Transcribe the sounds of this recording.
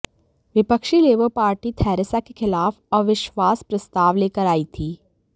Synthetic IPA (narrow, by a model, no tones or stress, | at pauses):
ʋɪpəkʃileːʋəpaːɾʈit̪ʰɛːɾɪsakexɪlaːfɔːʋɪʃwaːspɾɐst̪aːʋleːkəɾaːit̪ʰiː